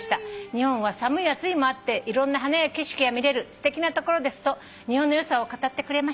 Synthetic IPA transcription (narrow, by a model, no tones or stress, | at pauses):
i̥t̪aɲ̟ihõ̞ɰ̃βasamɯ̟iat͡sɨimoat̪ːe̞ʔiɾõ̞nːaɦanajakʲe̞ɕi̥kʲijamʲiɾe̞ɾɯ̟sɨ̥t̪e̞kʲinat̪o̞ko̞ɾo̞d̪e̞sɨ̥t̪o̞ | ɲ̟ihõnːojo̞sao̞kat̪at̪ːe̞kɯ̟ɾe̞ma